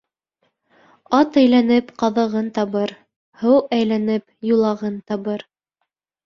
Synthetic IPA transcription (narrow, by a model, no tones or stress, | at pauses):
ɑt̪æjlænɘpqɑðɤ̆ʁɤnt̪ɑβɤɾ | hɤwæjlænɘpjulˠɑʁɤnt̪ɑβɤɾ